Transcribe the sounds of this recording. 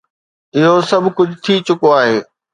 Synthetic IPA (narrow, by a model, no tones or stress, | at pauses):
ɪɦosɐbʱkʊd͡ʑʱʊt̪ʰit͡ɕʊkoaːɦeː